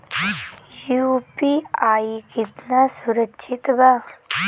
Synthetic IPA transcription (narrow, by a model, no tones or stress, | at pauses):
jupiaːikɪt̪nasʊɾəkːʃʰɪt̪baː